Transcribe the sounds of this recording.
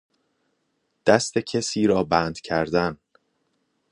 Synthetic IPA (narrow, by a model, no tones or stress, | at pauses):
d̪̥æst̪e̞cʰesiːɾɒːbæːnd̪̥cʰæɾd̪æn